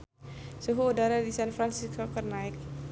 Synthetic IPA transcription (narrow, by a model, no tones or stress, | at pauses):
suɦuːdaɾadisanfɾansiskokərnaɪk̚